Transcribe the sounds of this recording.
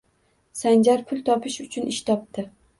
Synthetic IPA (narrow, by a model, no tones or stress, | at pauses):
sand͡ʒaɾpʰʊlˠt̪ʰɒpʰɪʃʊt͡ʃʰʊnʔɪʃt̪ʰɒp̚t̪ɪ